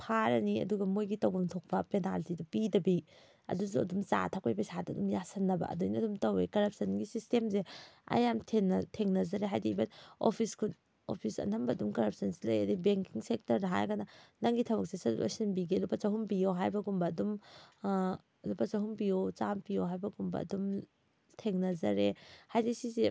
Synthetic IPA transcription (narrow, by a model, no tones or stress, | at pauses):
pʰaɾɐniɐ̰duɡɐmojɡitɐwɡɐŋtʰok̚pɐpena̰ltidɐpidɐbi | ɐ̰dusuɐ̰dumt͡ʃa̰tʰakejpɐjsadɐdumjasɐnːɐbɐ̰ʔɐ̰dujnɐdumtɐwekɐɾɐp̚sɐnɡisistemzeɐ̰jamtʰeŋnɐtʰeŋnɐzɐɾeɦajdibɐno̰pʰiskʰun | o̰pʰisɐ̰nʰɐmbɐːdumkɐɾɐp̚sɐnsilɐjɐdibeŋkiŋsek̚tɐɾdaɦa̰jkananaŋɡitʰɐbɐk̚sesɐdṵɐ̰sinbiɡilupɐt͡ʃɐɦumpijoɦajbɐɡumbɐːdum | lupɐsaɦumpijot͡ʃampijoɦajbɐɡumbɐ̰ɐ̰dum | tʰeŋnɐzɐɾehajdisize